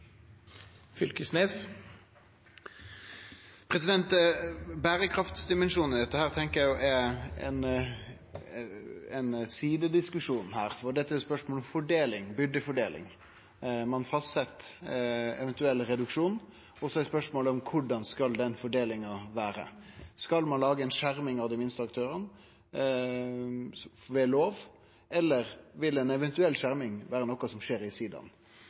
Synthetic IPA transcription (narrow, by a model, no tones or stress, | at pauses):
fʏlkəsneːs | pʰɾɛsɪd̪ɛnt̪bæːɾəkʰɾɑft̪sd̪ɪmɛnʂuːnɪd̪ɛt̪ːəhæːʁt̪ʰɛŋkəjæɪjʊʔɛɛ̰n | ɛnsiːd̪əd̪ɪskʉʂuːnn̩hæːɾfɔd̪ɛt̪ːæɾjʊspœʂmoːlɔmfɔɖeːlɪŋbʏɖəfɔɖeːlɪ̰ŋ | mɑnfɑst̪sɛt̪ː | ɛ̰ʋɛnt̪ʉɛlːɾɛd̪ʉkʂuːn | ɔsɔɛspœʂmoːlɔmkʰʊɖɑnskɑld̪ɛnfɔɖeːlɪŋɑʋæːɾə̰skɑlmɑnlɑːɡəɛnʂæɾmɪŋɑʋd̪ɪmɪnst̪əɑkt̪ʰøːɾən | ʋɛːloːʋ | ɛlːəɾʋɪlɛnɛʋɛnt̪ʉɛlːʂæɾmɪŋʋæːɾənɔkɑsɔmʂeːɾɪsiːd̪ɑ̰n